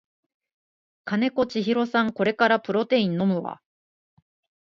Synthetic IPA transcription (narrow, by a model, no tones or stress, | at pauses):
kane̞ko̞t͡ɕiçiɾo̞sãŋko̞ɾe̞kaɾapɯ̟ɾo̞t̪e̞ĩnːo̞mɯ̟βa̰